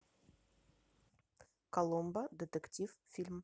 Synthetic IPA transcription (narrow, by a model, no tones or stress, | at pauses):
kɐlˠombəd̪ʲet̪ʲektʲiffʲilʲm